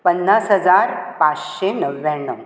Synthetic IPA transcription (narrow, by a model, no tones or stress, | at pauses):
pənːasɦəd͡zaɾpat͡sɕenəʋːjãɳːəw